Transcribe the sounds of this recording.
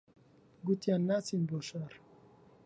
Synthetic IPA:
ɡut̪janːat͡sinbɔʃaɾ

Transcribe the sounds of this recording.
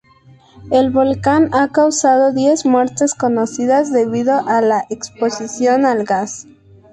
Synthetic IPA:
elβo̞lkanakawsað̞o̞ðje̞zmwe̞ɾt̪e̞sko̞nosiðazðe̞βiðo̞ʔalaʔekspo̞sisjo̞nalɣas

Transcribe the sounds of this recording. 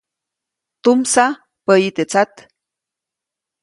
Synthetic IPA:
t̪umsa | pəjit̪et͡sat̪

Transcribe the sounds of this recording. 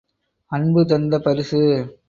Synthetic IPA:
ɐnbɯt̪̬ɐnd̪ɐpɐɾɯsɯ

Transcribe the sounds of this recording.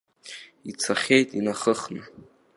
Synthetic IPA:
it͡sʰaχʲejtʼinaχəχnɨ

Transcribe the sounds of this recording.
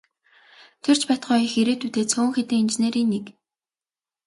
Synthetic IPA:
t̪ʰer̥t͡ɕpæt̪χɔːxeɾeːt̪ʰut̪eːt͡sʰoːŋxet̪iːŋent͡ɕneːɾiːnːek

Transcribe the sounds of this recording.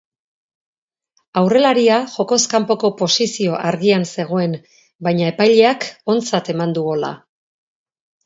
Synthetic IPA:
awre̞laɾiaʝo̞ko̞skampo̞ko̞po̞sisio̞ʔaɾɣianse̞ɣ̞o̞e̞n | bajɲae̞pajʎe̞ako̞nt͡sat̪e̞mand̪uɣola̰

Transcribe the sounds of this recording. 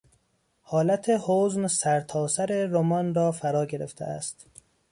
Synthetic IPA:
hɒːlæt̪ʰehoːznsæɾt̪ʰɒːsæɾeɾomɒnrɒːfæɾɒːɟeɾḛft̪ʰḛæ̰st̪

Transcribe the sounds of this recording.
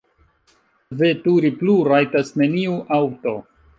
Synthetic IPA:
vetuɾipluɾajtasne̞niuʔawto̞

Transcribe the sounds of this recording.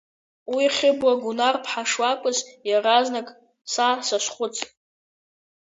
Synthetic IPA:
wiχʲɪbwaɡunarpʰħaʂwakʷʼʊzjaraznakʼ | sasaʃʷχʷʊt͡sʼ

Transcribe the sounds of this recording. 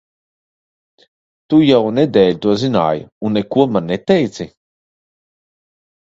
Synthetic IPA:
t̪ujawned̪ɛːlʲt̪uɔzina̰ːjunːekuɔmanːet̪ɛjt̪si

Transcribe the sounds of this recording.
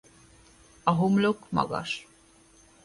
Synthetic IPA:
ɑɦumlokmɔ̰ɡa̰ʃ

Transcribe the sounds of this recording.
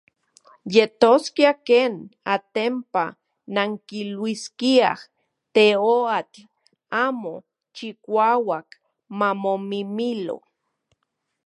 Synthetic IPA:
jet̪oskiakeːnat̪empa̰ | naŋkilwiskia̰h | t̪eoat͡ɬ | aːmo | t͡ʃikʷawak | mamomimilo̰

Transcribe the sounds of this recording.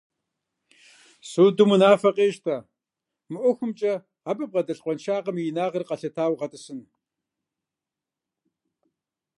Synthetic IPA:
suːdumɨnaːfɐqʼeːʃtʰaː | mɨʔʷɔxʷʊmt͡ʃʼɐ | abʼɨp̚ʁɐdɐɬqʷɔnʃaːqɐmiɪnaːʁɐrqɐɬɐtʰaːwʁɐtʼɨsɨn

